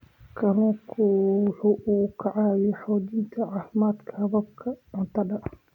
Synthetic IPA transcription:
kʰɐlɔːkʰʊwʊħuːʔukʰɐʕaːjɛħɔːd͡ʒɪnt̪ʰɐʕaːfɪmaːd̪kʰɐhɐβɐb̚kʰɐʕʊnt̪ʰɐɗɐʔ

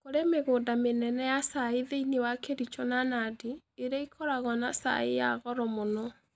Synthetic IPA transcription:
koɾemeɣoːdamenɛnɛjasaeðeinewakeɾit͡ʃɔnanadiː | ɾaikʰɔɾaɣwanasa̰ḛja̰ɣɔɾɔmonɔ

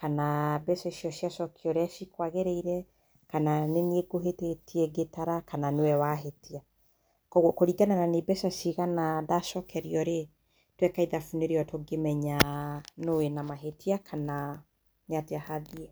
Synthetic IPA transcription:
kanabɛsɔʃiɔʃjaʃɔkʰiɔɾɛʃikwaɣeɾeiɾɛ | kananenieɡoɦetetiɛɡetaɾakʰananewɛwaɦetia | kɔkoɾiɡanananebɛsasiɣanadaʃɔkɛɾiɔɾe | twɛkaiðafuneɾeɔtoɡemɛɲanoenamaɦetʰiakʰana | ɲateahaðiɛ

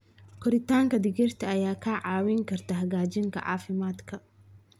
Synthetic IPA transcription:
kʰɔɾɪt̪ʰaːŋkʰɐd̪ɪɣɪrt̪ʰɐɐjaːkʰaʕɑːwɪŋkʰɐrt̪ʰɐɦɐɣaːt͡ʃɪŋkʰɐ̰ʕɑ̰ːfɪmaːd̪kʰɐ

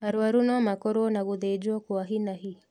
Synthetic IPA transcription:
aɾwaɾunɔamakɔɾwɔnaɣuðed͡ʒwɔkwaɦinaɦi

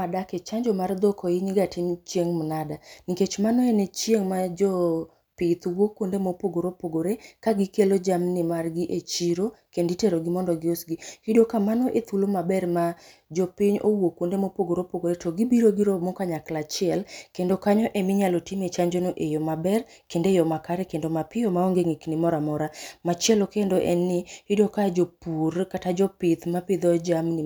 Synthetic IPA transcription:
adaket͡ʃaɲd͡ʒomard̪ɔkʰɔiɲɪɡatɪmt͡ʃeŋmnadaniket͡ʃmanoenet͡ʃjeŋmad͡ʒɔ | pɪt̪wokwondemopoɡoɾopoɡoɾekaɡɪkelod͡ʒamnɪmarɡiʔet͡ʃiɾokenditeɾoɡɪmɔndɔɡɪosɡikidokamanɔʔet̪ulomabɛrma | d͡ʒɔpɪɲowokondemopoɡoɾopoɡoetoɡibiɾoɡiɾomokaɲaklat͡ʃɪɛlkendokaɲɔʔemɪɲalotimet͡ʃaɲd͡ʒonoʔejɔmabɛr | kendejɔmakaɾɛkendomapɪjɔmaɔŋɡeŋiknɪmɔɾamɔɾamat͡ʃɛlokendoʔɛ̰nːɪhidokad͡ʒopurkatad͡ʒɔpɪt̪maped̪od͡ʒamnɪ

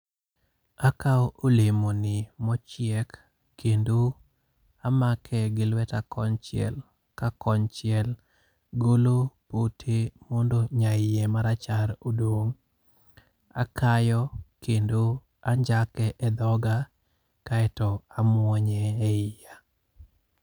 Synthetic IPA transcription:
akaɔolemonɪmɔt͡ʃɪɛkː | endo | amakʰɛɡɪlwɛtakɔɲt͡ʃɪɛ̰l | kakɔɲt͡ʃɪɛl | ɡolopotʰemɔndoɲaɪjɛmaɾat͡ʃaɾodoŋ | a̰kʰajɔkendo | aɲd͡ʒakɛʔɛd̪ɔɡa | kaɛtɔamwwɔɲɛːɪja

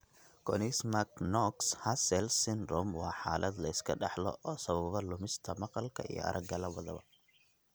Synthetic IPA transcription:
kʰɔnismɐknɔkshɐsɛlsɪnrɔmwɑːħaːlʔɐd̪lɐɪskʰɐɖɑħlɔ̰ʔɔːsɐβɐβɐlʊmɪst̪ʰɐmɑqɑlkʰɐḭjɔ̰ɐ̰ɾʔɐɡɡɐlɐwɐðɐβɐ̰

